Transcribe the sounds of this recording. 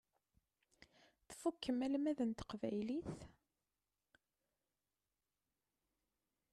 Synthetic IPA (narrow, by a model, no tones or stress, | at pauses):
θfukːəmælmæðənt̪ə̥qvæjliθ